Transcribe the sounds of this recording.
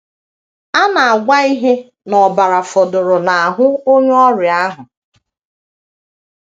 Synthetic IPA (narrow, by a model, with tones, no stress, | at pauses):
a˦na˨a˨ɡʷa˦i˦ɦe˦ | nɔ˨ba˨ɾa˨fʊ˨dʊ˨ɾʊ˨na˨a˨ɦʊ˦o˦ɲ˦ɔ˦ɾɪ˨a˦ɦʊ˨